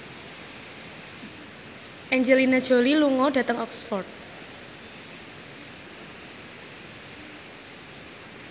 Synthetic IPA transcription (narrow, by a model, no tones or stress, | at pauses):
ʔɛɲd͡ʒəlinad̥ʒ̥o̤liluŋɔɖ̥ä̤t̪əŋɔksfɔrt̪̚